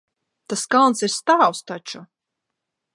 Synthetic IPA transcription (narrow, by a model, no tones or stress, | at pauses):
t̪askalˠnsiɾst̪awst̪ɔt͡ʃʊ